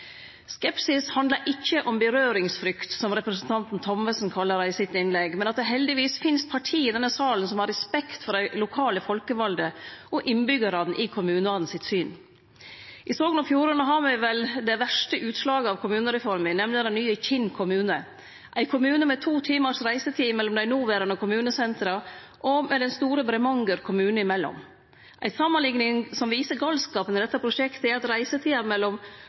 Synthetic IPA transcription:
skɛpsɪshɑnd̪ləɾʔɪçːəʔɔmbəɾøːɾɪŋsfɾʏkt̪sɔmɾɛpɾəsənt̪ʰɑnt̪n̩t̪ʰɔmʋəsn̩kʰɑlːəɾæɪsɪt̪ɪnlɛɡmɛnɑt̪̚d̪ɛɦɛld̪ɪʋiːsfɪnst̪̚pʰɑʈʰiːɪd̪ɛnːəsɑːlənsɔmhɑɾɛspɛkt̪fɔɾæɪlʊkʰɑːləfɔlkəʋɑld̪əʔɔʔɪnbʏɡəɾɑd̪n̩ʔɪkʰʊmʉːnəɑːd̪n̩sɪt̪syːn | ʔɪsoːɡənɔfjuːɾənəɦɑɾmɛʋɛld̪ɛʋæʂʈəʔʉːt̪slɑːɡəɑʋkʰʊmʉːnəɾɛfɔɾmɪnɛmlɪd̪ɛnyːəçɪnkʰʊmʉːnə | ʔæɪkʰʊmʉːnəmɛt̪ʰuːt̪ʰiːməɾsɾæɪsət̪ʰiːmɛlːɔmd̪æɪnuːʋeːɾənəɔkʰʊmʉːnəsɛnt̪ɾɑ | ʔɔmɛd̪ɛnst̪uːɾəbɾɛmɑŋɡəɾkʰʊmʉːnəɪmɛlːɔ̰m | ʔæ̰ɪsɑmːɑnlɪŋnɪŋsɔmʋiːsəɾɡɑlskɑːpənəd̪ɛt̪ːəpʰɾʊʂɛkt̪əɛɾɑt̪ɾæɪsət̪ʰiːɑmɛlːɔm

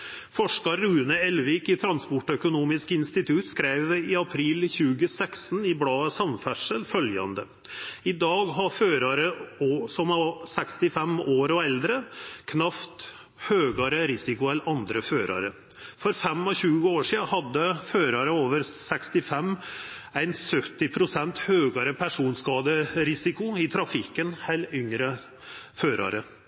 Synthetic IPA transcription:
fɔʂkɑɾʉːnəɛlʋɪkɪt̪ʰɾɑnspɔʈːœkʊnuːmɪskɪnst̪ɪt̪ʰʉt̪skɾæɪʋɪɑpʰɾiːlçʉːɡəsɛksnɪblɑːəsɑmfæʂəlfœljɑ̰nd̪ə | ɪd̪ɑːɡɦɑføːɾɑɾəoːsɔmɑsɛkst̪ɪfɛmoːɾɔɛld̪ɾəkʰnɑft̪ | høːɡɑɾəɾɪsɪkʊɛlɑnd̪ɾəføːɾʔɑ̰ɾə | fɔɾfɛmːɔɕʉːəoːʂiːhɑd̪ːəføːɾɑɾəoːʋəɾsɛkst̪ɪfɛmː | æɪnsœt̪ːɪpʰɾʊsɛnt̪høːɡɑɾəpʰæʂuːnskɑːd̪əɾɪsɪkʊɪt̪ʰɾɑfɪkənhælʏŋɾə | føːɾʔɑ̰ɾə

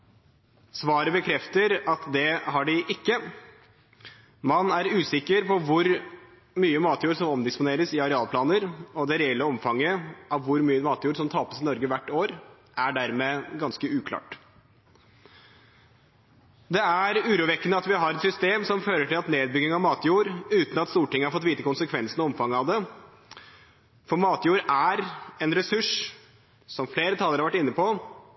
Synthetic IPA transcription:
sʋɑːɾəbəkʰɾɛft̪əɾɑt̪d̪ɛɦɑɖɪʔɪkːə | mɑnæɾʉːsɪkːəɾpʰɔʋʊɾ | myːəmɑːt̪juːɾʂɔmɔmd̪ɪspʊneːɾəsɪɑɾɛɑːlpʰlɑːnəɾɔd̪ɛɾɛɛlːəɔmfɑŋːəɑʋʋʊɾmyːəmɑːt̪juːɾsɔmt̪ʰɑːpəsɪnɔɾɡəʋæʈːoːɾ | ʔæɖæɾmeːɡɑnskəʉːkʰlɑ̰ːʈ | d̪ɛæɾʉːɾuːʋɛkːənəɑt̪ʋɪɦɑɾɛt̪sʏst̪eːmsɔmføːɾəʈʰɪlɑt̪neːd̪̚bʏɡɪŋɑʋmɑːt̪juːɾʉːt̪n̩ɑt̪st̪uːʈɪŋːəhɑɾfɔt̪ʋiːt̪əkʊnsəkʰʋɛnsənɔɔmfɑŋːəɑʋd̪ɛ | fɔɾmɑːt̪juːɾæɾɛnɾɛsʉʂ | sɔmfleːɾət̪ʰɑləɾɑɾʋæʈːɪnːəpʰɔ

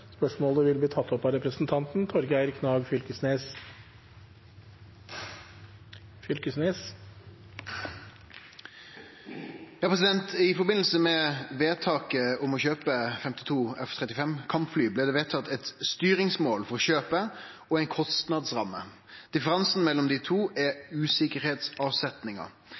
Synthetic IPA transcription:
spœʂmoːləʋɪlbliːt̪ʰɑt̪ːɔpːɑɾɛpɾəsnt̪ʰɑnt̪n̩t̪ʰɔɾɡəæɪɾkʰnɑːɡfʏlkəsneːs | fʏlkəsneːs | jɑːpʰʁɛs̬ɪd̪ɛnt̪ɪfɔɾbɪnl̩səmɛʋeːt̪ʰɑːkəʊmɔçøːpəfɛmt̪ɪt̪ʰuːɛft̪ʰʁɛt̪ɪfɛmkʰɑmpflyːblɛd̪ɛːʋeːt̪ʰɑt̪ɛt̪st̪yːɾɪŋsmoːlfɔɾʁɔɕøːpə | ɔɛɪnkʰɔst̪nɑd̪sʁɑmːə̰ | d̪̥ɪfəɾɑnsn̩mɛlːɔmd̪ɪt̪ʰuːʔɛʉːsɪkəɾheːt̪sɑːʋsɛt̪nɪŋɑ̰

